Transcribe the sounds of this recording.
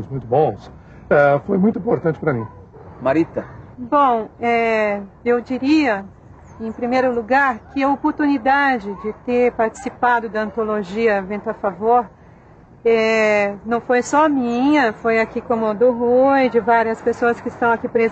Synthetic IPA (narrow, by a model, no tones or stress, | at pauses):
zmũj̃t̪ʊbõs | ɛfojmũj̃t̪ʊĩpoɾt̪ɐ̃nt͡ʃɪ̥pɾɐmĩjmaɾit̪ɐbõw̃ɛ | ewd͡ʒiɾiɐ | ẽj̃pɾimejɾʊluɡaɾkɪɐopoɾt̪unid̪ad͡ʒɪd͡ʒɪt̪eɾpaɾt͡ʃɪ̥sipad̪ʊd̪ɐɐ̃nt̪oloʒiɐvẽnt̪ʊafavoɾ | ɛnɐ̃w̃fojsɔamĩɲɐfojakikõmʊad̪ʊɦojd͡ʒɪvaɾiɐspesoɐskɪst̪ɐ̃w̃akipɾez